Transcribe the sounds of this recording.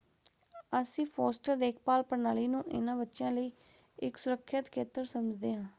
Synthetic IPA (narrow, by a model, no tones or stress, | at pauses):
əsĩːpʰoːsʈəɾd̪eːk̚ʰpaːlpəɾnaːliːnũːʔɪ̰nãːbətːʃãːləiː | ɪksʊɾəkʰːət̪kʰeːt̪əɾsəməd͡ʒd̪eːãː